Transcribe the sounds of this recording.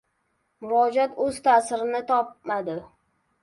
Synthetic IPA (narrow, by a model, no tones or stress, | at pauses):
mʊɾɒd͡ʒat̪ʰɵz̥t̪ʰasɪɾɪnɪt̪ʰɒp̚mad̪ɪ